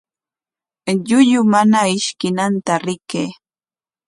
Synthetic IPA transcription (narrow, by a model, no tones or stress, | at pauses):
ʎʊʎʊmanaɪʃkɪnant̪aɾɪkeː